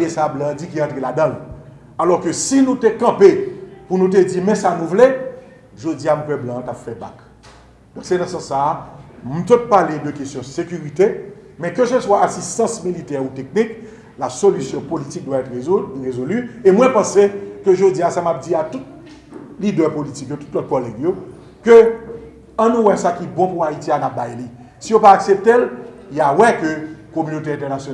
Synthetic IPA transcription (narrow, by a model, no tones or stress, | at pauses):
esablɑ̃d͡zikiɑ̃tʁeladʌ̃l | alɔʁkøsinũtekɐ̃pepunũt̬ed͡zimɛ̃sanũvle | ʒod͡ziamupɛblɑ̃tapfɛba̰k | d̪ɔ̃ksenãsɑ̃sːam̩t̪ot̪̚paledøkestjɔ̃sekyʁit̪e | mɛ̃køsəswaasist̪ɑ̃smilitɛʁutek̚nik | lasolysjɔ̃politik̚d̪waɛt̪eʁezolyemwɛ̃pɑ̃sekøʒod͡ziasamap̚d͡ziat̪ut̚ | lidœpolitikjotu̥tlɔt̚kɔlɛɡjo | kø | ɐ̃nũwɛsakibɔ̃puaitianap̚bajli | sijopaːksep̚t̪el | jawɛkøkomynot̬eɛ̃tɛʁnasjon